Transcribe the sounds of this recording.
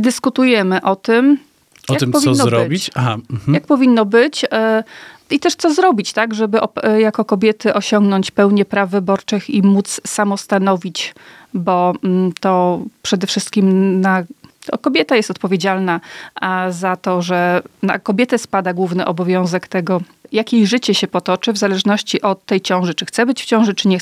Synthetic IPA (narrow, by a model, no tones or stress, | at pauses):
d̪ɘskut̪ujɛmɘʔɔt̪ɘm | ɔjapɔvʲiɔzːɔɾɔbʲit͡ɕajak̚pɔvʲinːɔbɘt͡ɕ | it̪ɛʂt̪sɔzɾɔbʲit͡ɕt̪aɡʐɛbɘʔɔjakɔkɔbʲjɛt̪ɘʔɔɕɔŋɡnɔɲt͡ɕpɛwɲɛpɾavːɘbɔɾt͡ʂɘximut̪ssamɔst̪anɔvʲit͡ɕ | bɔt̪ɔpʂɛd̪ɛfʂɘst̪̚kʲimna̰kɔbʲjɛt̪ajɛst̪ɔt̪pɔvʲjed͡ʑalna | zat̪ɔʐɛna̰kɔbʲjɛt̪ɛspad̪aɡwuvnɘʔɔbɔvʲjɔ̃w̃zɛkt̪ɛɡɔ | jakʲejʐɘt͡ɕɛɕɛpɔt̪ɔt͡ʂɘvzalɛʐnɔɕt͡ɕiʔɔt̪ːɛjt͡ɕɔ̃w̃ʐɘt͡ʂɘxt̪sɛbɘt͡ɕft͡ɕɔ̃w̃ʐɘt͡ʂɘɲɛ